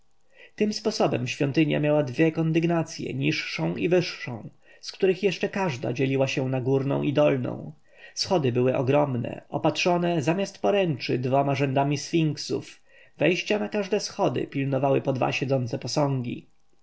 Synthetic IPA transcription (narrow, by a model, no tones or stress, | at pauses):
t̪ɘmspɔsɔbɛmɕfʲjɔnt̪ɘɲja̰mʲjawad̪vʲjɛkɔnd̪ɘɡnat̪sʲjɛ̰ɲiʂːɔ̃w̃ʔivɘʂːɔ̰̃w̃ | skt̪uɾɘxjɛʂt͡ʂɛkaʐd̪a̰d͡ʑɛlʲiwaɕɛnaɡuɾnɔ̰̃w̃ʔid̪ɔlnɔ̰̃w̃ | sxɔd̪ɘbɘwɘʔɔɡɾɔmnɛ̰ɔpat̪ʂɔnɛzamʲjast̪̚pɔɾɛnt͡ʂɘd̪vɔmaʐɛnd̪amʲisfʲiŋksṵf | vɛjɕt͡ɕanakaʐd̪ɛsxɔd̪ɘ̰pʲilnɔvawɘpɔd̪va̰ɕɛd̪zɔnt̪sɛpɔsɔ̃ŋɡʲḭ